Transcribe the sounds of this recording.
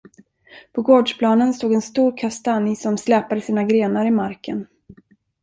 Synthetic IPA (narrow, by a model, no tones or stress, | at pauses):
pʰɔɡoːɖʂpʰlɑːnənst̪oːɡɛnst̪uːɾkʰast̪anɪsɔmslɛːpad̪əsiːnaɡɾeːnaɾɪmaɾkə̰n